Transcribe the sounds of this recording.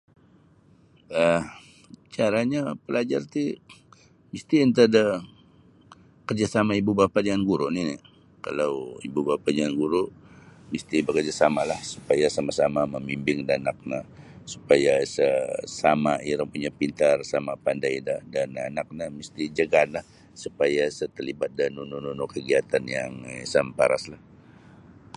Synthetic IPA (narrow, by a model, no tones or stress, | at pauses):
əh | t͡ʃaɾaɲapəlad͡ʒart̪i | mist̪iənt̪̬adə | kərd͡ʒasamaibubapadianɡuɾuʔnini | ka̰lawibubapadianɡuɾuʔmist̪ibəkərd͡ʒasamalahsu̥pajasamasamaməmimbɪŋdanak̚nasu̥pajasəsamaiɾaŋpuɲapint̪arsamapandajdadananak̚nahmist̪id͡ʒəɡanlah | supajasət̪əlibat̪̚danunununokəɡiat̪anjaŋisampaɾaslah